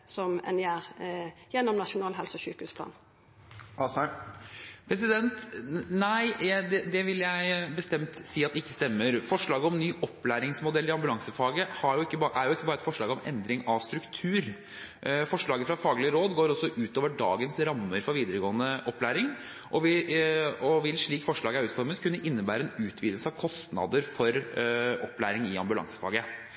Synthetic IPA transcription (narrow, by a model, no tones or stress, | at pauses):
sɔmɛ̰njæːɾjɛnːɔmnɑʃʊnɑːlɦɛlsɔçykʉspʰlɑ̰ːn | ɑs | pʰɾɛs̬ɪd̪ɛnt̪næɪd̪ɛd̪ɛʋɪlːjæɪbəst̪ɛmt̪siːɑt̪ɪkːəst̪ɛmːəɾfɔʂɭɑːɡəɔmnyːʔɔpːlæːɾɪŋsmʊd̪ɛlːɪɑmbʉlɑŋsəfɑːɡəhɑɾjʊɪkːəbʔæɾjʊɪkːəbɑːɾəɛt̪fɔʂɭɑːɡɔmɛ̰nd̪ɾɪŋɑʋst̪ɾʉkt̪ʰʉːɾ | fɔʂɭɑːɡəfɾɑfɑːɡlɪəɾoːd̪ɡoːɾɔsːɔʔʉːt̪oːʋəɖɑ̰ːɡənsɾɑmːəɾfɔɾʋiːd̪əɾəɡoːənəʔɔpːlæːɾɪŋ | ʔɔʋɪ | ɔʋɪlʂɭiːkfɔʂɭɑːɡəæɾʉːt̪fɔɾmət̪kʰʉnːəʔɪnːəbæːɾəɛnʉːt̪ʰʋiːd̪l̩səɑʋkʰɔst̪nɑ̰d̪əɾfɔɾɔpːlæ̰ːɾɪŋɪɑ̰mbʉlɑ̰ŋsə̥fɑ̰ːɡə